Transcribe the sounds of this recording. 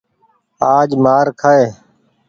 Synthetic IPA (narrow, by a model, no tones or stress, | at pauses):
aːd͡ʒmaːɾkʰaːeː